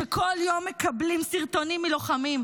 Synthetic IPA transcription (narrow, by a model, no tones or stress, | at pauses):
ekʰo̞ljo̞mːekablimsiʁt̪o̞nimːiloχamim